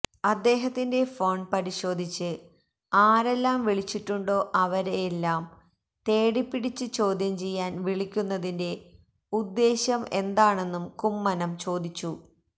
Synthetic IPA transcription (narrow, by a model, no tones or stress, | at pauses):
ɐd̪ːe̞ːɦɐt̪ːinde̞fo̞ːɳpɐɾiɕo̞ːd̪ʱit͡ɕːɨ | aːɾe̞lːaːmʋiɭit͡ɕːiʈːuɳɖo̞ːʔɐʋɐɾeːlːaːm | t̪e̞ːɽipːiɽit͡ɕːɨt͡ɕo̞ːd̪ʱjɐmt͡ɕe̞jːaːnʋiɭikʲːunːɐðinde̞ | ud̪ːe̞ːɕɐme̞nd̪aːɳe̞nːumkumːɐnɐmt͡ɕo̞ːd̪it͡ɕːu